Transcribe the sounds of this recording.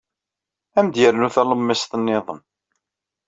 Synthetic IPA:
æmd̪jəɾnuθæləmːɪst̪ənːɪðˤəm

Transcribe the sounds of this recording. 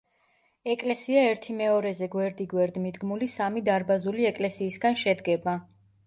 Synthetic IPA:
ɛkʼlɛsiaɛɾt̪ʰimɛɔɾɛzɛɡwɛɾd̪iɡwɛɾd̪mid̪ɡmulisamid̪aɾbazuliɛkʼlɛsiːsɡanʃɛd̪ɡɛba

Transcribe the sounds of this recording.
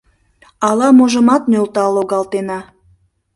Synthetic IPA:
ɑlɑmoʒə̆mɑt̪nølt̪ɑlːoɣɑlt̪enɑ

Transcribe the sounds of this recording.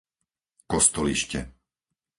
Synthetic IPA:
kɔst̪ɔliʃcɛ̰

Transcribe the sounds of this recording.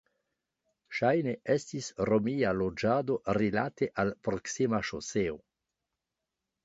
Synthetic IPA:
ʃajneʔestisromialod͡ʒaːd̪orilat̪eʔalpɾoksimaʃoseo

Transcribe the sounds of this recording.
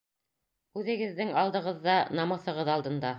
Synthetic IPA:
ʉðɘ̆ɡɘ̆ðːɘŋɑlˠd̪ɤ̆ʁɤ̆ðːɑnɑmɤ̆θɤ̆ʁɤðɑlˠd̪ɤ̆nd̪ɑ

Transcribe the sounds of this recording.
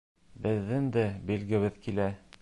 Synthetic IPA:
bɘ̆ðːɘnd̪æbilɡɘ̆βɘðkilæ

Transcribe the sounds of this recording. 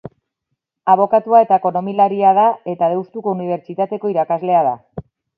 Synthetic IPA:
aβ̞o̞kat̪uae̞t̪aeko̞no̞milaɾiað̞ae̞t̪að̞e̞wst̪uko̞uniβ̞e̞ɾt͡ʃit̪at̪e̞ko̞iɾakazle̞aða

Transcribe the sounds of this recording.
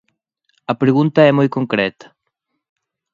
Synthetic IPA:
ɐpɾeɣũnt̪ɐɛmojkoŋkɾɛt̪ɐ̥

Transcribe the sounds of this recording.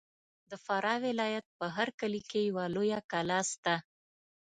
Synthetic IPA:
d̪əfaɾɑwɪlɑjat̪̚pəɦaɾkəlikejawalojakalɑst̪a

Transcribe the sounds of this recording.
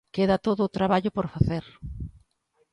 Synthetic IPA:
keðɐt̪oðʊːt̪ɾaβaʎʊpoɾfaθeɾ

